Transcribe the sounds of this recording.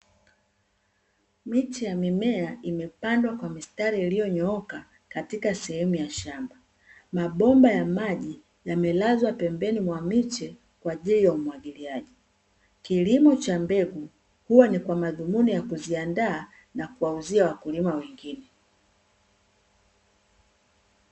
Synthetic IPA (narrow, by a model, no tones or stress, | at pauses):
mit͡ʃɛjamimɛaimɛpandwakwamistaɾiːlijɔɲɔɔka | katikasɛhɛmujaʃamba | maɓɔmbajamaʄi | jamɛlazwapɛmbɛnimwamit͡ʃɛ | kwaʄilijaumwaɠiliaʄi | kilimɔt͡ʃambɛɡu | huwanikwamaðumunijakuziandaː | nakuwauziawakulimawɛŋɡinɛ